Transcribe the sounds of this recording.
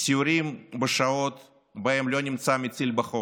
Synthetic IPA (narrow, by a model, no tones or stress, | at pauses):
sʲiuɾʲimbɨʂaot̪ | baɛmlʲonʲimsamʲɪt̪silʲbɐχo